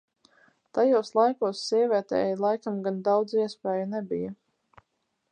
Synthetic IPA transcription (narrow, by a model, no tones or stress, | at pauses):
t̪ajuːslˠajkuːsːiɛvʲiɛt̪ɛ̰ːjlˠajkamɡand̪awd̪ziɛspɛːjɐnɛbija